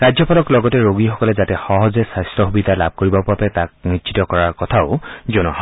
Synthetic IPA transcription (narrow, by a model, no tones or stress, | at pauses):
ɹazjɔpalɔklɔɡɔtɛɹoɡixɔkɔlɛzatɛxɔɦɔzɛsastɔxubid̪ʱalab̚koɹibɔpuapɛtak̚nisʰitɔkɔɹaɹkɔtʰaʊzonɔɦ